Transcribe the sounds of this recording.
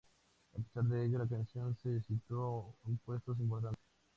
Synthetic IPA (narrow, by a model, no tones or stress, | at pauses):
ape̥saɾðeeʎolak̪ẽnsjõnsesit̪oumpwest̪os̬impoɾt̪̬ant̪es